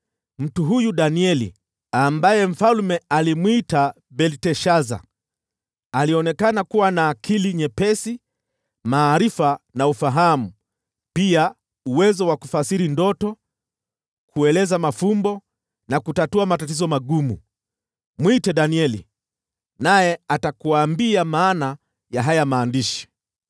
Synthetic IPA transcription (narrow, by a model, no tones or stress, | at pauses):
m̩tuɦujuɗaniɛlḭ | ambajɛm̩falmɛalimwita | bɛltɛʃaza̰ | aliɔnɛkanakuwanaːkʰiliɲɛpɛsi | maːɾifanaufaɦamu | pia | uwɛzɔwaku̥fasiɾindɔtɔ | kʰuɛlɛzamafumbɔ | nakutatuamatatizɔmaɠumu | mwitɛɗaniɛlḭ | najɛatakuaːmbiamaːna | jaɦajamaːndiʃi̥